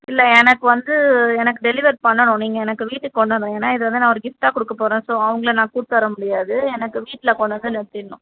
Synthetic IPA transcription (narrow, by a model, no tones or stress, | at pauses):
ɪlːɛɛnɐkːɯʋɐnd̪ɯɛnɐkːɯɖɛlɪʋɐɾpɐɳːɐɳʊ̃niːŋɡɐɛnɐkːɯʋiːʈːɯːɔɳːɐnðɐ̃eːnːaːɪðɯʋɐnd̪ɯnãːɔɾɯɡɪfʈaːkɔɽɯkːɐpoːɾẽːsoːɐʋɐŋɡɐɭɐnãːkuːʈt̪ːʋɐɾɐmʊɽɪjaːðɯɛnɐkːɯʋiːʈːɪlɐkɔɳːɐnd̪ɯnɛɽɯt̪ːɪɾnːʊ̰̃